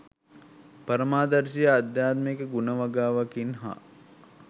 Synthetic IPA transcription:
pɐɾəmaːd̪ɐɾsijəad̪jaːt̪mekəɡunəʋaɡaːʋakinɦa̰

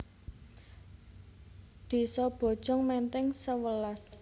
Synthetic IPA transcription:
d̪̥i̤sɔb̥ɔ̤d̥ʒ̥ɔ̤ŋmɛnt̪ɛŋsəwəlas

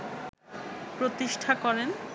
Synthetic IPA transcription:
pɾot̪iʃʈʰakɔɾen

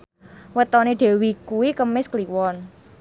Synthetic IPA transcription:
wət̪ɔneɖ̪̥ɛ̤wikuwikəmɪskliwɔn

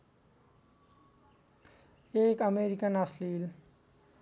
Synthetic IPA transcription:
eːkəmeːɾikənasliːl

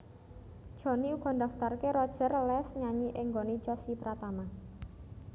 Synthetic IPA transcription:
dʒ̥ɔ̤niuɡ̥ɔ̤nd̪aft̪arkeɾɔd̥ʒ̥ə̤rlɛsɲaɲiʔɪŋɡonit͡ʃɔsipɾat̪ama

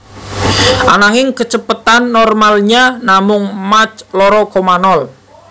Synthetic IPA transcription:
ʔanaŋɪŋkət͡ʃəpət̪anːɔrmalɲanamʊŋmat͡ʃlɔɾɔkomanɔl

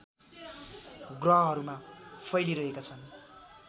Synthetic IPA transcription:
ɡrʌɦʌɦʌɾumapʰʌjliɾʌɦekat͡sʰʌn

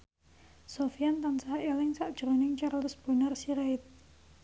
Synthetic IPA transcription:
sofiant̪ansaɦaʔelɪŋsaʔd̥ʒ̥ɾonɪŋt͡ʃarlʊsb̥unarsiɾaɪt̪̚

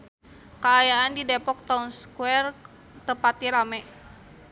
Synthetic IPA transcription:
kaːjaandidɛpɔk̚t̪aunskuɛr | t̪əpat̪iɾamɛ

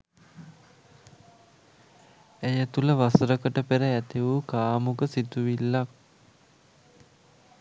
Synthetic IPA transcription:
æjət̪uləʋasɾəkəʈəpeɾəæt̪iʋukaːmukəsit̪uʋilːak̚

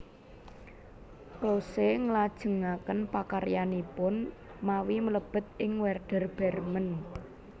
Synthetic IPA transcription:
kloseŋəlad̥ʒ̥ə̤ŋakənpakaɾjanipʊn | mawimələb̥ə̤t̪̚ɪŋwɛrɖ̥ə̤rb̥ɛ̤rmən

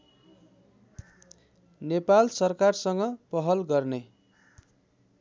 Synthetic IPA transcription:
nepalsʌrkarsʌŋɡʌpʌɦʌlɡʌrne

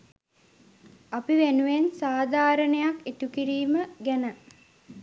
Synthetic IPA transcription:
apiʋenuʋensaːd̪ʱaːɾənejaket̪ukiɾiːməɡænə

